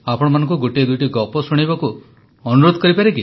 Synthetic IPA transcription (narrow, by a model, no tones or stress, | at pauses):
apɔɽ̃ɔmanɔ̃ŋkuɡoʈied̪ujʈiɡɔpɔsuɽ̃ibɔku | ɔnuɾod̪ʱɔkɔɾipaɾeki